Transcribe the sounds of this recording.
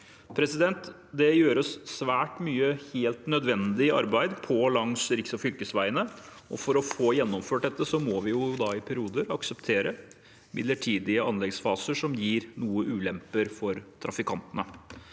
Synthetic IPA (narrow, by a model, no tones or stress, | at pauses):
pʰɾɛsɪd̪ɛnt̪ | d̪ɛjøːɾəsːʋæːʈmyːəheːlt̪nœd̪ʋɛnd̪ɪɑ̰ɾbæɪd̪pʰɔlɑŋsɾɪksɔfʏlkəsʋæɪənəʔɔ̰fɔɾɔfoːjɛnːɔmføːʈ̚d̪ɛt̪ːəsɔmɔʋɪjʊd̪ɑɪpʰæɾɪuːd̪əɾɑksəpt̪ʰeːɾə | mʔɪd̪ləʈʰiːd̪ɪəʔɑnlɛɡsfɑːsəʂɔmjiːɾnuːəʔʉːlɛmpəɾfɔɾt̪ʰɾʔɑfɪkʰɑnt̪ənə